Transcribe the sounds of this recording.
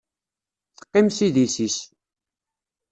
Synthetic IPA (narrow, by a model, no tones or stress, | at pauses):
θə̥qːɪmsiðisis